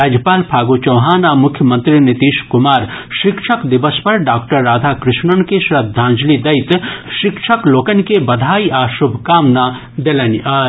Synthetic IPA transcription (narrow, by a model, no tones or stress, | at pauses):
ɾaːd͡ʒjəpaːlpʰaːɡot͡ʃɐwɦaːnaːmʊkʰjəmɐ̃nt̪ɾinit̪iːʃkʊmaːɾʃɪkʃʰɐkd̪ibəspɐɾɖaːkʈɐɾːaːd̪ʱaːkɾɪʃɳəɳkeʃɾɐd̪ʱːãːnd͡ʒlid̪ɐjt̪ʃɪkʃʰɐkloːkɐnkebɐd̪ʱaːiʔaːʃʊbʱkaːmna | d̪elɐnaː